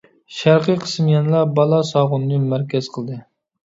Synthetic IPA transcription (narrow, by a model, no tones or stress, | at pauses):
ʃæɾqəqʰə̥smjɑnlˠɑbɑlˠɑsɑːʁʊnnɨmæɾkʲɛz̥qʰəlˠd̪ɨ